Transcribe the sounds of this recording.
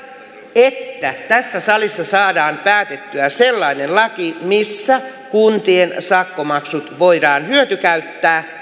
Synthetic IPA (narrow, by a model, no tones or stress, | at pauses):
et̪ːæt̪æsːæsɑlisːɑsɑːdɑːmpæːt̪et̪ːyæselːɑinellɑkimisːækunt̪iensɑkːomɑksut̪ʋoidɑːnhyøt̪ykæyt̪ːæː